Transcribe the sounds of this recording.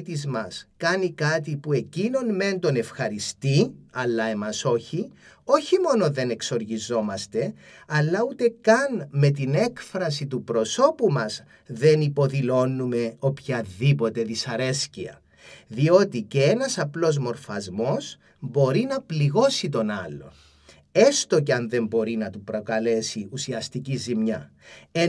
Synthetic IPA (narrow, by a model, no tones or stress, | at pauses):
t̪izmɐskɐnikɐt̪ipue̞cino̞nme̞nt̪o̞ne̞fxɐɾist̪iɐlːɐe̞mɐso̞çio̞çimo̞noðe̞ne̞kso̞ɾʝizo̞mɐst̪e̞ | ɐlːɐut̪e̞kɐnme̞t̪ine̞kfɾɐsit̪upɾo̞so̞pumɐz | ðe̞nipo̞ðilo̞nːume̞o̞pçɐðipo̞t̪e̞ðisɐɾe̞sciɐ̰ | ðio̞t̪ice̞enɐsɐplo̞zmo̞ɾfɐzmo̞s | bo̞ɾinɐpliɣo̞sit̪o̞nɐlːo̞̰ | e̞st̪o̞ceɐnðe̞mbo̞ɾinɐt̪upɾo̞kɐle̞siusiɐst̪icizimɲɐ | e